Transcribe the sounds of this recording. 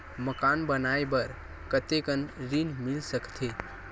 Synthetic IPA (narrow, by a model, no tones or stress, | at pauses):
məkanbənaebəɾ | kət̪ekənɾinmɪlsəkt̪ʰe